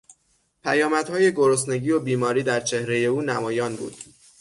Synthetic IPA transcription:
pʰæjɒːmæd̪̥hɒːje̞ɡoɾos̬ne̞ɟiːobiːmɒːɾiːd̪æɾt͡ʃʰe̞hɾe̞je̞uːnæmɒːjɒːnbṵːd̪̥

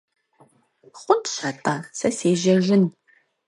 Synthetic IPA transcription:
χʷʊntʃɐtʼɐsɐseːʒɐʒɪn

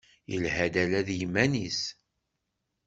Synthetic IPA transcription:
jəlhæd̪ælæðjəmːænis

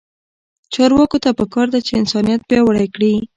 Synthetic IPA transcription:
t͡ʃɑɾwɑkot̪apəkɑɾd̪at͡ʃeɪnsɑnijat̪̚bjɑwaɽajkɽi

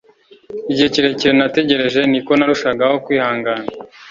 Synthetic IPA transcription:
iɟheciɾe̞ciɾenate̞ɟe̞ɾe̞ʒe̞niko̞naɾuʃaɡaho̞kwiːhaːŋɡaːna

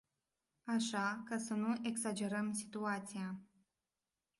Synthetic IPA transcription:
aʃakasənuʔe̞ɡsad͡ʒe̞ɾəmsi̥t̪uat̪sija

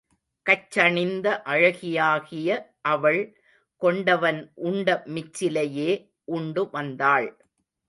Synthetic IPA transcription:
kɐt͡ʃːɐɳɪnd̪ɐʔɐɻɐɣɪjaːɣɪjɐʔɐʋɐɭ | kɔɳɖɐʋɐnʔʊɳɖɐmɪt͡ʃːɪlɐjeː | ʔʊɳɖɯʋɐnd̪aːɭ

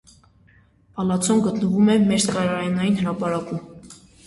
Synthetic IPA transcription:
ɑlɑt͡sʰɔnɡət̪nəvumɛmɛɾskɑɾɑɾjnɑjinhəɾɑpɑɾɑkum

